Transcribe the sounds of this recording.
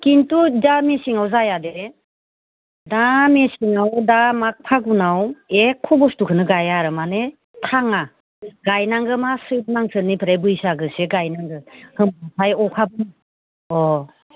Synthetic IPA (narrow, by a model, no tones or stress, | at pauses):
kintudamesiŋawzajadeɾe | damesiŋawdamak̚pʰaɡunawekʰːɔbɔstukʰɯnɯɡajaɾɯmane | tʰaŋa | ɡajnaŋɡɯmasɯt̚naŋsʰɯnːipʰɯɾajbɯjsaɡɯseɡajnaŋɡɯhɯmbɯsʰajɔkʰabɯnɯ | ɔ